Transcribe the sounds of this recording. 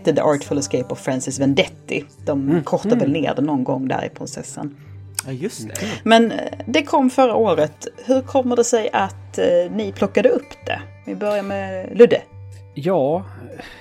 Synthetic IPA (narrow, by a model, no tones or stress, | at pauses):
t̪ːəd̪əʔɑːɾʈfɔləskejpɔvfɾansɪsvɛnd̪ɛt̪ːɪ̰d̪̥ɔmkʰɔɾt̪avɛlnḛːd̪ɛnɔnɡɔŋːd̪æ̰ːɾɪ̰pʰɾɪnsɛ̰sːə̰n | j̪mɛnd̪ɛkʰɔmːfœɾaʔoːɾət̪hɵɾkʰɔmːəɖ̪ɛsɛjʔat̪nɪpʰlɔkːad̪əɵpːd̪̥ɛ̰vɪbœɾjamɛlɵd̪əjɑː